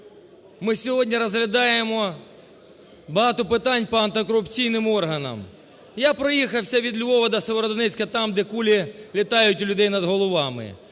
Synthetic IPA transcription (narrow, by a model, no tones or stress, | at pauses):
mɪsʲɔɦɔdʲnʲiɾɐzɦlʲɐd̪ɑjemɔ | bɐɦɑt̪ʊpɪt̪ɑnʲpɔɐnt̪ɪkɔɾʊpt͡sʲijnɪmɔrɦɐnɐ̰m | japɾɔjixɐwsʲɐʋʲid̪lʲʋɔʋɐd̪ɐseʋeɾɔd̪ɔnɛt͡sʲkɐt̪ɑmd̪ɛkulʲɪlʲɪt̪ɑjʊtʲʊlʲʊd̪ɛjnɐd̪ɦɔlˠɔʋɑmɪ̰